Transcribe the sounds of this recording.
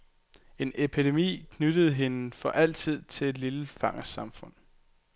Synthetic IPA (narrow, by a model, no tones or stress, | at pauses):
e̝ne̝pʰid̥e̝mḭːkʰnyd̥əð̞̩ˠɦe̝nəfɒ̽ʔæl̰t͡sʰið̞̰ˠt͡sʰe̝le̝d̥liləfɑ̈ŋɐsɑ̈mfɔ̽n̰